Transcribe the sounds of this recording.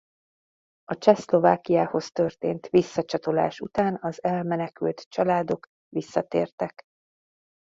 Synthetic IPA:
ɒt͡ʃɛslo̞vaːkijaːho̞st̪ø̞rt̪ḛːnt̪ʋisːɒt͡ʃɒt̪o̞la̰ːʃut̪aːnɒzɛlmɛnɛkylt̪t͡ʃɒlaːd̪o̞k | ʋisːɒt̪ḛːrt̪ɛk

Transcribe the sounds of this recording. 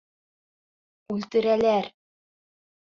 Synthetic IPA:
ʉlt̪ɘ̆ɾælæɾ

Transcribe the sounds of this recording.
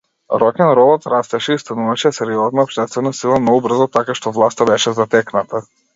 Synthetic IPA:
ɾɔkɛnɾɔbɔt̪ɾast̪ɛʃɛist̪anuvaʃɛsɛɾiɔznaɔpʃt̪ɛst̪vɛnasilˠamnɔɡubr̩zɔt̪akaʃt̪ɔvlˠast̪abɛʃɛzat̪ɛknat̪a

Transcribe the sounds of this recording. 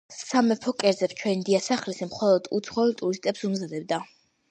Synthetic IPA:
samɛpʰɔkʼɛɾd̪zɛpst͡ʃʰwɛnd̪iasaχlisimχɔlˠɔd̪̥ṵt̪sʰχɔɛlt̪ʼuɾist̪ʼɛpsumzad̪ɛbd̪a

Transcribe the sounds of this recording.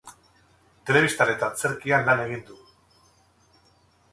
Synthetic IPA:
t̪e̞le̞βist̪ane̞t̪at͡se̞ɾkianlane̞ɣ̞ind̪u

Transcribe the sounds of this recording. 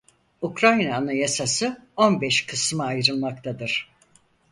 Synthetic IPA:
ukɾajnanɯjasasɯo̞nbɛʃkʰɯsmɯajɾɯlˠmak̚t̪ʰad̪ɯɾ̥

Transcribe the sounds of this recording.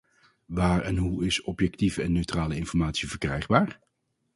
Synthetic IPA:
ʋaːɹɛnɦuɪsɔpjɛk̚tivəɛnːøɥtraːləɪnfɔɹmaːtsivəɹkrɛjχbaːɹ

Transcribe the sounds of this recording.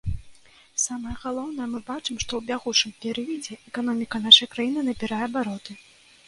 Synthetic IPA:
samɐjɛɐɣalˠɔwn̪ɐjɛmɨbat͡ʂɨmʂt̪ɔwbʲaɣut͡ʂɨmpʲɛɾɨvʲid͡zʲɛʔɛkan̪ɔmʲikɐn̪aʂɐjkɾajinɨnɐbʲiɾajɛbaɾɔt̪ɨ

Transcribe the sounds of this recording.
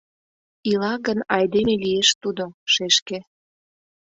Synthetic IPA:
ilɑɣənɑjd̪emelieʃt̪ud̪oʃeʃke

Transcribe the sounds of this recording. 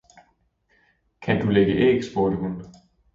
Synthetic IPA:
kʰænd̥uleɡ̥əʔḛɡ̥sb̥oɐd̥əɦun

